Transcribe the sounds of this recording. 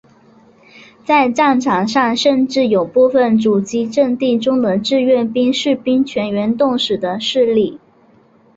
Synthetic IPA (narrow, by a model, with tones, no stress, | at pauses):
t͡sa˥˧ɪʈ͡ʂɑ˥˩ŋʈ͡ʂʰɑ˧˥ŋʂɑ˥˧ŋʂə˥˧nʈ͡ʂɻ̩˥˩jo˨˩ʊpu˥˩fə˩nʈ͡ʂu˨˩t͡ɕi˧˥ʈ͡ʂɤ˥˧ŋt̪i˥˩ʈ͡ʂʊ˥ŋd̪ə˨ʈ͡ʂɻ̩˥˧ɥɛ˥˩npi˥ŋʂɻ̩˥˩pi˥ŋt͡ɕʰɥɛ˧˥nɥɛ˧˥nt̪ʊ˥˩ŋʂɻ̩˨˩d̪ə˦ʂɻ̩˥˧li˥˩